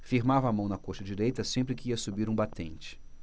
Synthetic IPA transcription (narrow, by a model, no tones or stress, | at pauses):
fiɾmavɐːmɐ̃w̃nɐkoʃɐd͡ʒiɾejt̪ɐsẽmpɾɪkɪiɐsubiɾũbat̪ẽnt͡ʃɪ̥